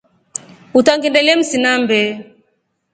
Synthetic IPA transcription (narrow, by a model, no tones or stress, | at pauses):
utaŋɡindɛlɛm̩sinambɛ